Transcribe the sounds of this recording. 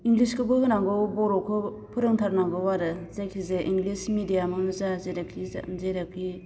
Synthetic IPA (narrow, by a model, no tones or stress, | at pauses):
iŋɡliskʰɯbɯɦɯnaŋɡɔbɔɾɔkʰɯ | pʰɯɾɯŋtʰaɾnaŋɡɔwaɾɯzajkʰizeʔiŋɡlismidijamɯzazeɾakʰḭzeɾakʰi